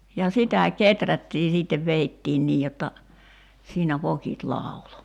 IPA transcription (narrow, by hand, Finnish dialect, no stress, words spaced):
jɑ sitæ ketrætːiː siːtːeʋ ʋeitːiːn niː jotːɑ siːnæ ʋokit lɑˑulo